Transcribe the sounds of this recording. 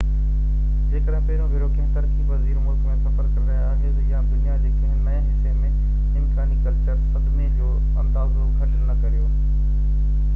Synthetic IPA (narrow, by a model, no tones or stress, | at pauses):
d͡ʑeːkəɽɦɪ̃pɐɦɪɾõbʱɪɾoːkʰẽɦt̪ɐɾkʰiʋɐziːɾmʊːɾkmẽsɐpəɾkəɾɾɐɦjaɦɪzjãːd̪ɪjãːd͡ʑekʰeɦnɐẽɦɪsemẽ | ɪ̃mkaːnikɐɾkɐɾsɐd̪mẽd͡ʑoː | ɐ̃nd̪aːzokʰɐʈənnɐkɐɾijoː